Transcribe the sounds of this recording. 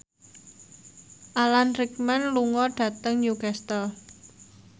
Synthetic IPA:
ʔalanrik̚manluŋɔɖ̥ä̤t̪əŋjuɡast̪əl

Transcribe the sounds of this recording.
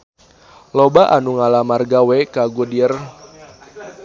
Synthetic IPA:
lobaʔanuŋalamarɡawekaɡudir

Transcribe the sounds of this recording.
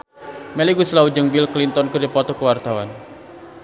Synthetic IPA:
mɛliɡuslaud͡ʒəŋbilklint̪ɔnkərdipɔt̪ɔkəwart̪awan

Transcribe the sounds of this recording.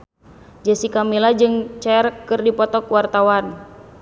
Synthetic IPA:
d͡ʒasikamilad͡ʒɨŋt͡ʃɛrkɨrdipɔt̪ɔkuwart̪awan

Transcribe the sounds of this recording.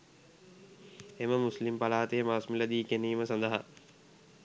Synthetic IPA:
eməmuslimpalaːt̪əjəmaːsmiləd̪iːkeniːməsand̪əɦa̰

